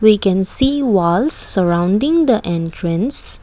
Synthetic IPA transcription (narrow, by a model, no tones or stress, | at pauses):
wikɛ̃nsiːwaɪlsːəɹãʊ̃nɖɪ̃ŋd̪əʔɛ̃ntʰɹə̃ns